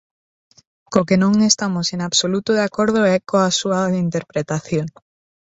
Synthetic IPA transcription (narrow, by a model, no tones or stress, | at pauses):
kokenõŋest̪amosenaβsolut̪oðeakoɾð̞oɛkoasuaaðeint̪eɾpɾet̪aθjoŋ